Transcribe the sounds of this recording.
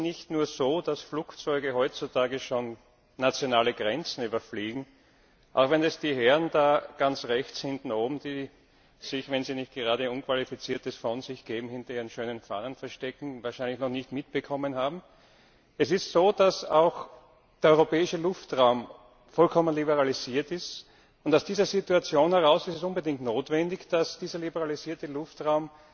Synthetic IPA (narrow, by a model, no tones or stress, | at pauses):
nɪçtnuːɐzoːd̥asflukt͡sɔʏɡəɦɔʏtt͡sutʰaːɡəʃoːnː | at͡sjonaːləɡʁɛnt͡sn̩yːbɐfliːɡŋ̩ | ʔa̰ʊxvɛnɛsd̥iːɦɛʁndaːɡ̥ant͡sʁɛçt͡shɪntn̩oːbm̩d̥iː | z̥ɪçvɛnziːnɪçt̚ɡ̥eʁaːdəʊnkv̥alifit͡siːɐtəsfɔnz̥ɪçɡ̥eːbm̩hɪntɐiːʁənʃøːnənfa̰ːnənfɛɐʃtɛkŋ̩vaːɐʃæɪnlɪçnɔχnɪçtmɪt̚b̥əkʰɔmənhaːbm̩ | ɛsɪstsoːd̥asa̰ʊx | d̥eːɐɔʏʁopɛːɪʃəlʊftʁaʊm | fɔlkʰɔmənlibəʁaliziːɐtɪst | ʊntaʊsd̥iːzɐzituat͡sjoːnhɛʁ̞aʊsɪstɛsʊnbədɪŋk̚tnoːtvɛndɪçd̥asd̥iːzɐlibəʁaliziːɐtəlʊftʁaʊm